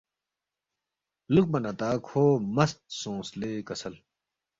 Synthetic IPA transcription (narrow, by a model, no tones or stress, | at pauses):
luk̚bɐnɐt̪aːkʰoːmɐst̪̚sõːsleːkɐsɐl